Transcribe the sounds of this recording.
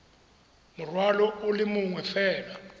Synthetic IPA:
murwalɔulimuŋwɛfɛːla

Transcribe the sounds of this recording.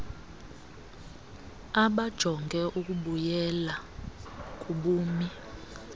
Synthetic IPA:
aɓad̥ʒ̥ʱɔŋɡʱɛʔuk̬ʼuɓujɛla | kʼuɓuːmi

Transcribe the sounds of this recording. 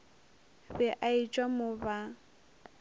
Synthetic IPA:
bɛʔait͡ʃʼwamʊba

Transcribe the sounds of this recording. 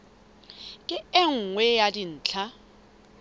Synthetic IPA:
kʼɪɛŋ̩ŋwɛjadin̩ːt͡ɬʰa

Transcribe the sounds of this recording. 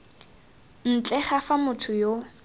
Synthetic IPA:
n̩t͡ɬʼɛχafamʊtʰʊjo

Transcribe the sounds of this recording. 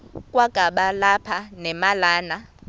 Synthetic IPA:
kʼwaɡ̥ʱaɓalapʰanɛmalaːna

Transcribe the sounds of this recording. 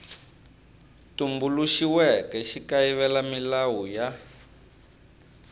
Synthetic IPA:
tumbuluʃiwɛkɛʃikaiβɛlamilawuja

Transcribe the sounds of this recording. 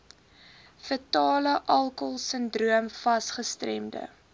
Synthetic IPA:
fətɑːləʔɐlˠkəlˠsəndruəmfɐsχəstrɛ̰mdə̰

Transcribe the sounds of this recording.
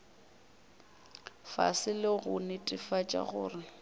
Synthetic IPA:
fa̰sɪlɪɣʊnɪtʼɪfat͡ʃʼa̰ɣʊːrɪ

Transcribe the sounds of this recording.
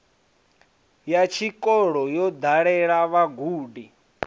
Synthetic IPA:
jat͡ʃʰikʼɔɺɔjɔd̪aɺɛɺaβaɡuːdi

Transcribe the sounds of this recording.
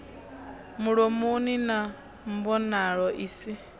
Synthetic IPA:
muɺɔmunina | mbɔnaɺɔʔiːsi

